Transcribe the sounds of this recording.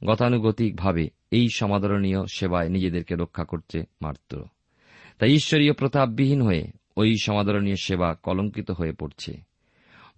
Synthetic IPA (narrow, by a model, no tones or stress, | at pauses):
ɡɔt̪anuɡot̪ik̚bʱabe | ejʃɔmad̪ʱoɾonijoʃebaenid͡ʑed̪eɾkeɾokʰːakoɾt͡ɕʰema̰ɾt̪ɾo̰ | t̪ajiʃːoɾijopɾot̪ab̚ːiɦinɦoḛ | ojʃɔmad̪ʱoɾonioʃebakɔloŋkit̪oɦoepoɾt͡ɕʰḛ